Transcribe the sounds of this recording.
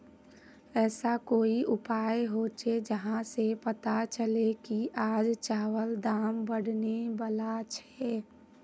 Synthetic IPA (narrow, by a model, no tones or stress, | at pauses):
ɛːsakoːiʔʊpaːjɦoːt͡ʃed͡ʒəɦãsepət̪at͡ʃəlekiʔaːd͡ʒt͡ʃaːʋəld̪aːmbəɽnebəlat͡ʃʰɛː